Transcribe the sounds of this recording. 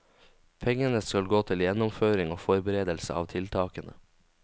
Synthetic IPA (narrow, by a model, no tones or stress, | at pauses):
pʰɛŋənəskɑlɡoːt̪ʰɪljɛnʊmføːɾɪŋoːfɔɾbəɾeːd̪əlsə̰ɑ̰ːʋt̪ʰɪlt̪ʰɑːkənə̰